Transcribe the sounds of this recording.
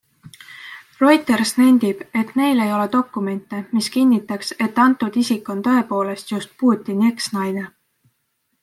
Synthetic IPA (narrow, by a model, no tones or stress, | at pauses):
ro̞jt̪ˑe̞rsnænd̪̥ib̥e̞t̪ˑne̞jle̞jo̞le̞d̪o̞kˑːume̞nt̪ːˑe̞miskinʲːit̪ːˑɑkse̞t̪ːɑnt̪ːˑud̪̥isikːˑo̞nt̪ɤ̞e̞po̞ːle̞st̪just̪̚puːt̪ʲːinie̞ksnɑjne̞